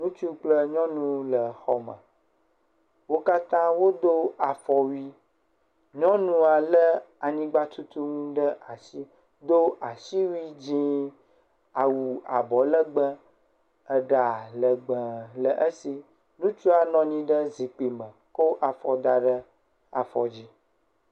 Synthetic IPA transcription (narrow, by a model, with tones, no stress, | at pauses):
nũ˦t͡ʃu˦k͡plə˦ɲɔ̃˦nũ˦lə˨xɔ˨mə̰̃˨ | wo˦ka˦t̪ã˦wo˦d̪o˦a˨fɔ˨wi˦ | ɲɔ̃˦nũ˦a˨lə˦ | a˨ɲĩ˦ɡ͡ba˦t̪u˦t̪u˦ŋũ˦ɖə˦ʔa˨si˦ | d̪o˦ʔa˨ʃi˦wi˦d͡ʑĩ˦ | a˨wu˨a˨bɔ˨lə˦ɡ͡bə̃˦ | ə˦ɖa˨lə˨ɡ͡bə̃˨lə˨ʔə˦si˨ | nũ˦t͡ʃu˦a˨nɔ̃˦ɲĩ˦ɖə˦zi˨k͡pi˨mə̃˨ko˦ʔa˨fɔ˨d̪a˨ɖə˦ | a̰˨fɔ˨d͡ʑi˦